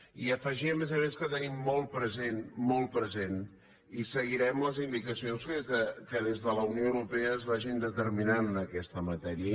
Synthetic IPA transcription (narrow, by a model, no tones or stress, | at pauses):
iəfəʒiəmezəmeskət̪ənimːɔl̚ˠpɾəzenmɔl̚ˠpɾəzen | isəɣiɾɛmləzind̪ikəsionskzðəkəðezðələunioəwɾupeəːzβaʒind̪ət̪əɾminanəkɛst̪əmət̪ɛɾiə